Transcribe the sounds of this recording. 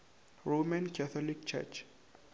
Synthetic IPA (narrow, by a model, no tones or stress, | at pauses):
ɹomãnkʰaθʰɔlik̚t͡ʃʰɛ̰t͡ʃ